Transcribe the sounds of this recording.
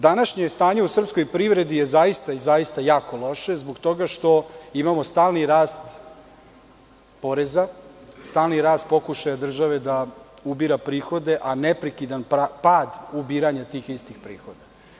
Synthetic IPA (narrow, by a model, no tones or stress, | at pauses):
d̪anaʃɲest̪aːɲeusr̩psko̞jpɾiʋɾe̞d̪ijezajist̪aizajist̪ajaːko̞lˠo̞ʃe̞zboɡt̪o̞ɡaʃt̪o̞imamo̞st̪aːlˠniɾaːst̪ | po̞ɾezast̪aːlniɾaːst̪̚po̞kuʃajad̪r̩ʒaʋe̞d̪a | ubiɾapɾiːxo̞d̪e̞ʔanepɾekid̪anppaːd̪ubiːɾaɲat̪iːxist̪ixpɾḭːxo̞d̪a